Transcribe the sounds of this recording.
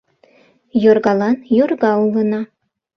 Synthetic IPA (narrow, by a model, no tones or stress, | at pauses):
jorɣɑlɑnjorɣɑulə̆nɑ